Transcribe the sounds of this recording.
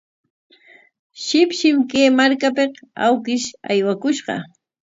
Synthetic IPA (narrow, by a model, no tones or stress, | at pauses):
ʃɪpʃɪmkeːmaɾkapeqawkɪʃa̰jwakʊʃɢɑ̰